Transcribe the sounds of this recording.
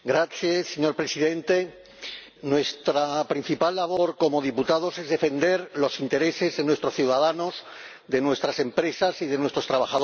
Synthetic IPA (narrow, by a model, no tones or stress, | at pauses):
ɡɾaθjesːeɲo̞ɾpɾe̞siðe̞nt̪e̞ | nwe̞st̪ɾapɾin̟θipalːaβo̞ɾko̞mo̞ð̞iput̪að̞o̞se̞zðe̞fe̞nd̪e̞ɾlo̞sint̪e̞ɾe̞se̞zðe̞nwe̞st̪ɾo̞sθjuwðaðano̞z | d̪e̞nwe̞st̪ɾase̞mpɾe̞sasiðe̞nwe̞st̪ɾost̪ɾaβaxaðo